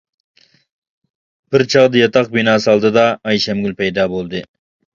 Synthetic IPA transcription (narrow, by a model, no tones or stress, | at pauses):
b̥ɪɾt͡ʃʰɑʁd̪ɪjɑt̪ʰɑq̚binɑːsɨɑlˠd̪ɨd̪ɑːjʃæmɡʲylpʰæjd̪ɑːbolˠd̪ɨ